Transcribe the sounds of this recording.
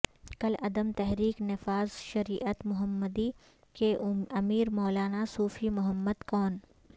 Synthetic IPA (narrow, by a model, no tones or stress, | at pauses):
kɐlɐd̪əmt̪ɛɦɾiːknɪfaːzʃɐɾiːʔət̪mʊɦəmːəd̪i | keɐmiːɾmɔːlaːnasuːfimʊɦəmːəd̪kɔːn